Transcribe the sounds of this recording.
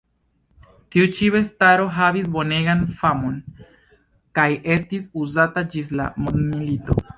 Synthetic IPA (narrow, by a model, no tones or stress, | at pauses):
tiut͡ʃive̞staɾo̞ɦavis̬bo̞ne̞ɡanfamo̞n | kaje̞stisuzatad͡ʒis̬la̰monmilito̞̰